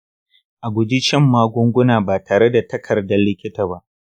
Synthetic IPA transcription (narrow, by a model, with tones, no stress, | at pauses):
ʔa˨ɡʷʊ˨di˦t͡ʃɛ˦mːaː˦ɡʷʊ˦ŋɡʷʊ˦naː˨baː˨tʰaː˨ɾe˦da˨tɐ˦kʰɐ˨rdɐ˦lːɪ˦kʲɪ˦taː˨ba˦ʔ